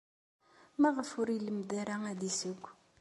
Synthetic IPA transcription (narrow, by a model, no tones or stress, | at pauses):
maʁəfuɾiləmd̪aɾaŋad̪isiɡʷ